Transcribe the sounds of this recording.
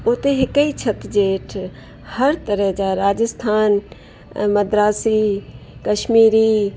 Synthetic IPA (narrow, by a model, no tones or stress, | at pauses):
ʊt̪eɦɪkːəit͡ʃʰɐt̪d͡ʒeːʈʰ | hɐɾt̪əɾəɦd͡ʒaːɾaːd͡ʒəst̪ʰaːn | mɐd̪ɾaːsiːkɐʃmiːɾiː